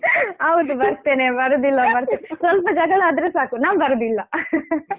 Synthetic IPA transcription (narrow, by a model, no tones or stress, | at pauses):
hɐwd̪ubɐɾt̪eːnebɐɾod̪ilːɐbɐɾt̪enesʋɐlpɐd͡ʒɐɡɐɭɐaːd̪ɾesaːkunaːʋbɐɾod̪ilːɐ